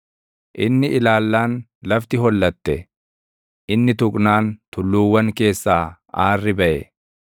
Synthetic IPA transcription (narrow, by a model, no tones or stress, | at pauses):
ʔɪnːɪʔɪlaːlːaːn | lɐft̪ɪɦɔlːɐt̪ːɛ | ʔɪnːɪt̪ʊkʼnaːnt̪ʊlːuːwːɐŋke̞ːsːaː | aːrːɪbɐʔɛ